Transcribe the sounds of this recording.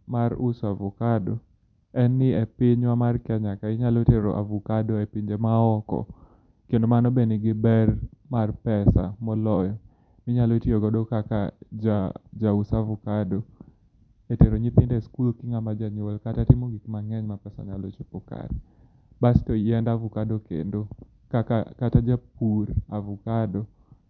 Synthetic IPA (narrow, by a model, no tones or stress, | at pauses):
maɾusavukado | ɛnːɪepɪɲwamarkɛɲakaɪɲalɔeteɾo̰ʔa̰vukadoepiɲd͡ʒemaɔkɔ̰ | kendomanɔbenɪɡɪbɛrmarpɛsa̰mɔlɔjɔ | mɪɲalɔetioɡɔdokakad͡ʒad͡ʒausavukadɔ | eteɾoɲipɪndɛskulokiŋamad͡ʒaɲolkatatimoɡikmaŋɛɲmapɛsa̰ɲalɔt͡ʃupɔka̰ɾ | bastɔiɛndavukadokḛndo | kakakatad͡ʒap̚uɾavukadɔ